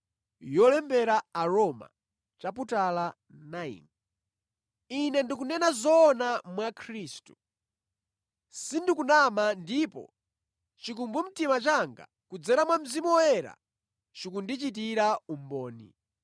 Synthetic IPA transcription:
jɔlɛmbɛɾaːɾɔma̰ | t͡ʃap̬utala | naḭŋ | inɛndik̬unɛnazɔːnamwakʰɾiːstu | sindikunamandipɔ̰ | t͡ʃikumbum̩timat͡ʃaŋɡa̰ | kud͡zɛɾamwam̩zimuɔjɛɾa̰ | t͡ʃikundit͡ʃit̬iɾaumbɔːnḭ

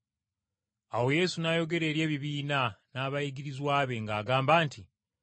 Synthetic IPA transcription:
awo̞je̞sunajo̞ɡe̞ɾe̞ːɾje̞ːβiβiːnanaːβaiɡiɾizwaːβe̞ŋɡaːɡaːmbaːntʰi

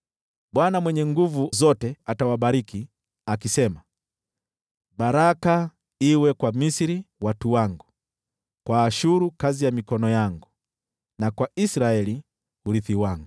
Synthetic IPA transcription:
ɓwanamwɛɲɛŋɡuvuzɔtɛatawaɓaɾiki | akisɛma | baɾaka | iwɛkwamisiɾiwatuwaŋɡu | kwaːʃuɾukazijamikɔnɔjaŋɡu | nakwaisɾaɛli | huɾiθiwaŋɡu

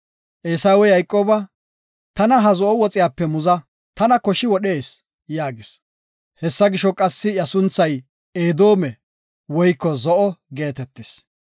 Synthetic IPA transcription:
ʔeːsaːwɛjɐjkʼːoːbɐ | t̪ɐnɐɦɐzɔʔɔwɔt͡sʼɪjaːpːɛmʊzɐ | t̪ɐnɐkɔʃɪwɔɗe̞ːs | jaːɡɪs | hɛsːɐɡɪʃɔkʼɐsːɪɐsʊnt͡sːɐj | eːd̪o̞ːmɛ | wɔjkːɔzɔʔɔɡe̞ːt̪ɛt̪ːɪs

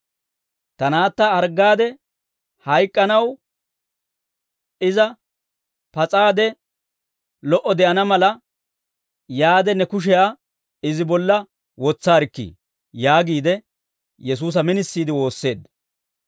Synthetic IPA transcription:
t̪ɐnaːt̪ːɐɐɾɡaːd̪ɛ | hɐjkʼːɐnɐw | ɪzɐ | pɐt͡sʼaːd̪ɛ | lɔʔɔd̪ɛʔɐnɐmɐlɐ | jaːd̪ɛnɛkʊʃ̬ɛjaː | ɪzɪbɔlːɐ | wɔt͡sːaːɾɪkːḭː | jaːɡiːd̪ɛ | jɛs̬uːs̬ɐmɪnɪsːiːd̪ɪwo̞ːsːe̞ːd̪ːɐ

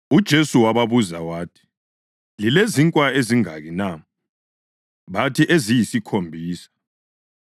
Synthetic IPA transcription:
ud̥ʒ̥ʱesuwaβaβuzawaːtʰi̥ | lileziŋkʼwaeziŋa̰ɣina | βatʰiʔezijisikʰombʱiːsḁ

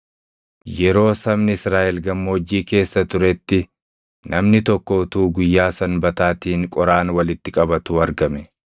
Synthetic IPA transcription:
jɛɾo̞ːsɐbnɪɪsɾaːʔɛlɡɐmːoːd͡ʒːiːke̞ːsːɐt̪ʊɾɛt̪ːɪ | nʔɐmnɪt̪ɔkːɔʊt̪uːɡʊjːaːsɐnbɐt̪aːt̪iːŋkʼɔɾaːnwɐlɪt̪ːɪkʼɐbɐt̪uːɐɾɡɐmɛ

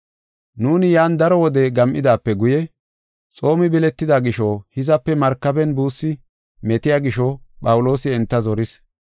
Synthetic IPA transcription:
nuːnɪjaːnd̪ɐɾɔwɔd̪ɛɡɐmʔɪd̪aːpːɛɡʊjɛ | t͡sʼo̞ːmɪbɪlɛt̪ːɪd̪aːɡɪʃɔhɪzɐpːɛmɐɾkːɐbɛnbuːsːɪ | mɛt̪ɪjaːɡɪʃɔpʼɐwʊlo̞ːsɪɛnt̪ːɐzɔɾɪs

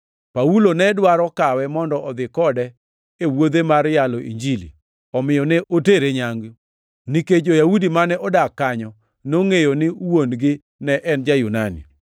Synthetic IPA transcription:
paulonɛdwaɾɔkawɛmɔndɔʔɔd̪ɪkɔdɛ | ewod̪emaɾjalɔʔḭɲd͡ʒilḭ | ɔmɪjɔnɛʔoteɾeɲaŋɡi | niked͡ʒojaudimanɛʔɔdakːaɲɔ | noŋejonɪwonɡɪ | nɛʔɛnd͡ʒajunanḭ

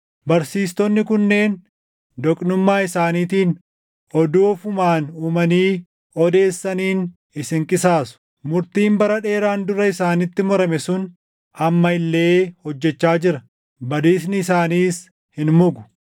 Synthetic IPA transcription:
bɐɾsiːst̪ɔnːɪkʊnːe̞ːn | d̪ɔkʼnʊmːaːɪsaːniːt̪iːn | ɔd̪uːfʊmaːnuːmɐniː | ɔd̪e̞ːsːɐniːn | ɪsɪŋkʼɪsaːsʊ̥ | mʊɾt̪iːmbɐɾɐᶑe̞ːɾaːnd̪ʊɾɐɪsaːnɪt̪ːɪmɔɾɐmɛsʊn | ɐmːɐɪlːe̞ːhɔd͡ʒːɛt͡ʃːaːd͡ʒɪɾɐ | bɐd̪iːsnɪːsaːniːs | hɪnmʊɡʊ̥

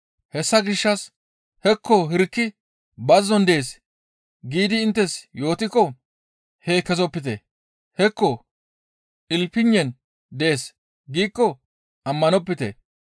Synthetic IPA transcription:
hɛsːɐɡɪʃːɐs | hɛkːɔɦɪɾkːɪ | bɐzːɔnd̪eeːs | ɡiːd̪ɪːnt̪ːɛsjo̞ːt̪ɪkɔ | heːkːɛzɔpːɪt̪ḛ | hɛkːɔ | ʔɪlpɪɲːɛn | d̪ɛeːs | ɡiːkːɔ | ɐmːɐnɔpːɪt̪ḛ

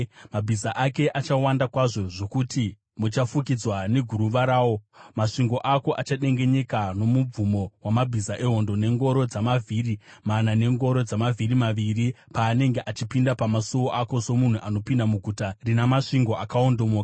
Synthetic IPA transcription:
mabʱisaʔake̞ʔat͡ʃawandakwaʐo̞ʐo̞kuti | mut͡ʃafuk̬id͡zwane̞ɡʱuɾuʋaɾaːwo̞maʂiŋɡo̞ʔako̞ʔat͡ʃaɗe̞ŋɡe̞ɲe̞kano̞mub͡vumo̞wamabʱisaʔe̞ɦo̞ndo̞ne̞ŋɡo̞ɾo̞d͡zamavʱiːrimanane̞ŋɡo̞ɾo̞d͡zamavʱiɾimaʋiripaːne̞ŋɡeʔat͡ʃipindapamasuwoʔako̞so̞mun̤uʔano̞pindamuɡʱutarinamaʂiŋɡo̞ʔakaondo̞moːkḁ

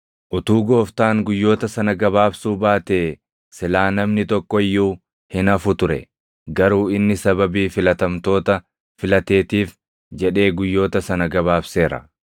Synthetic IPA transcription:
ʔʊt̪uːɡo̞ːft̪aːŋɡʊjːo̞ːt̪ɐsɐnɐɡɐbaːbsuːbaːt̪e̞ː | sɪlaːnɐmnɪt̪ɔkːɔɪjːuː | hɪnɐfʊt̪ʊɾɛ̰ | ɡɐɾuːɪnːɪsɐbɐbiːfɪlɐt̪ɐmt̪o̞ːt̪ɐ | fɪlɐt̪e̞ːt̪iːf | d͡ʒɛᶑe̞ːɡʊjːo̞ːt̪ɐsɐnɐɡɐβaːbse̞ːɾɐ̰

